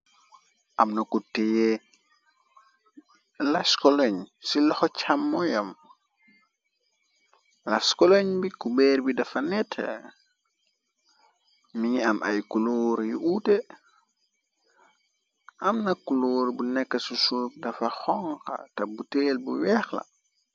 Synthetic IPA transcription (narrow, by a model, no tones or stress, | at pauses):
ʔɐmnɐkuteje | laskɔlɔɲsilɔxɔt͡ʃʰamːɔjɐm | laskɔloɲbikubɛːɾbidɐfɐnɛtʰ | miɲiɐmʔɐ̰jkuloːɾjiʔute | ɐmnɐkuloːɾbunɛkːɐsusuk̚dɐfɐxɔŋkɐ̰tɐbutelbuwɛxlɐ̰